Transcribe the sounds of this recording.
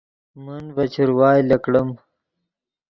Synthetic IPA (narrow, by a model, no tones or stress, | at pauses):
munvɐt͡ɕʰuɾwaːjlɐkɽəm